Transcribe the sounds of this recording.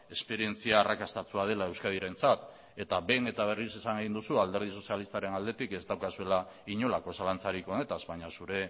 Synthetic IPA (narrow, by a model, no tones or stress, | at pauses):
e̞spe̞ɾie̞nt͡siaːrakast̪at͡suað̞e̞lae̞wskaðiɾe̞nt͡sat̪ | e̞t̪abe̞ne̞t̪aβ̞e̞risisaŋɡeɣind̪usuald̪e̞ɾð̞iso̞sialist̪aɾe̞nald̪e̞t̪ike̞st̪awkasue̞laiɲo̞lako̞salant͡saɾiko̞ne̞t̪azβajɲasuɾe̞